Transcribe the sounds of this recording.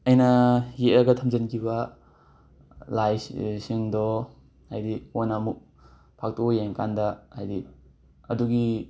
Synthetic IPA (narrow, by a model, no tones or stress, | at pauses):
ɐjnɐjeʔɾaɡɐtʰɐmd͡ʒɐnkʰiba | lajsiŋdɔ | hajdionamuk̚ | pʰak̚tɔbjaŋkandɐhajdi | ɐduɡi